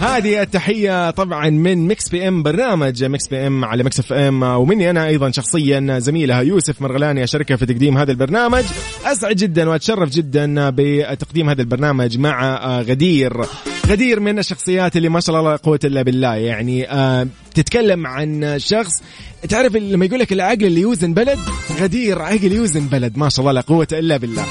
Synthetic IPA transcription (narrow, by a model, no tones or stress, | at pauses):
haːðiʔɪt̪ːaħɪjːat̪ˤɑbʕɑnmɪnmɪksbiːʔɛmbɑɾˤnaːmad͡ʒmɪksbiːʔɛmʕa̰lamɪksɪfʔɛmwmɪnːiʔanaʔɑjðˤɑnʃɑxsˤɨjːaʔnazamiːlhajuːsɪfmɑɾˤɣalaːniʔaʃɑɾˤɪkafit̪ɑqd̪iːmɦaːðalbɑɾˤnaːmad͡ʒ | ʔas̬ʕɪd̪d͡ʒɪd̪ːanwʔat̪ʃɑrˤːɑfd͡ʒɪd̪ːanbɪt̪aqd̪iːmhaːðalbɑɾˤnaːmad͡ʒmaʕaɣad̪iːɾɣad̪iːɾmɪnaʃːɑxsˤɨjːaːt̪ɪlːimaːʃaɑʔlʔɑlˤːɑlqʊwːat̪ʔɪlːabɪlːaːjaʕniʔa | t̪ɪt̪kalːamʕanʃɑxsˤ | t̪ɪʕɾˤɪfːamːajɡuːlːakɪlʕaɡlɪlːijuːzanbalad̪ɣad̪iːɾʕaɡljuːzɪnbalad̪maːʃaɑʔlˤːɑːlaqʊwːat̪ʔɪlːabɪlːa̰ː